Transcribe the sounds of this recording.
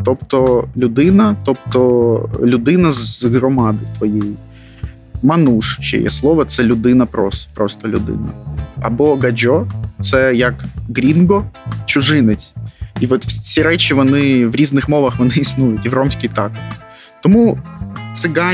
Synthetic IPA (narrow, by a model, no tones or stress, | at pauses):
t̪ɔpt̪ɔlʲʊd̪ɪnɐt̪ɔpt̪ɔlʲʊd̪ɪnɐzɦɾɔmɑd̪ɪt̪ʋɔjɛji | mɐnuʂt͡ʃɛ̰jɛ̰slˠɔʋɐt̪sɛlʲʊd̪ɪnɐpɾɔspɾɔst̪ɔlʲʊ̰d̪ɪ̰nɐ̰ɐ̰bɔɡɐd͡ʒɔt̪sɛjɐkɡɾʲinɡɔt͡ʃʊʐɪnɛt͡sʲiʋɔt̪fsʲiɾɛt͡ʃʲiʋɔnɪʋɾʲiznɪxmɔʋɐxʋɔnɪːsnujʊtʲiʋrɔmsʲkʲijt̪ɑkɔ | t̪ɔmut̪sɪɡɑ